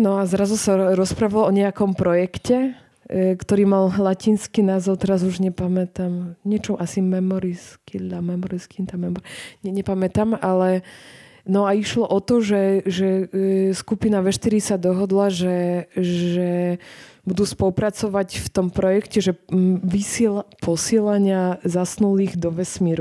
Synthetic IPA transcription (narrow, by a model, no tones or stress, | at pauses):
nɔazɾazusaɾɔspɾaːʋalɔɲɛakɔmpɾɔjɛkcɛ | kt̪ɔɾiːmallacinskiːnaːzɔʊt̪ɛɾazuʒɲɛpamɛt̪amɲɪɛt͡ʃɔmʔasimɛmɔɾisk̪ːamɛmɔɾiskint̪amɛmɔɾɲɛɲɛpamɛt̪amalɛ | nɔaiʃlɔʔɔt̪ɔʒɛʒɛskupinaʋɛʃt̪iɾisad̪ɔɦɔd̪laʒɛʒɛ | bud̪uːspɔlupɾat͡sɔʋacft̪ɔmpɾɔjɛkcɛʒɛʋisɛlapɔsɪɛlaɲɪazasnuliːɣd̪ɔʋɛsmiːɾu